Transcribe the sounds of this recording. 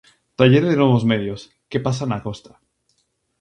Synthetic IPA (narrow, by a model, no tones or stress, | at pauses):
t̪aʎeɾðenwoβ̞ozmeðjos | kepasanakost̪ḁ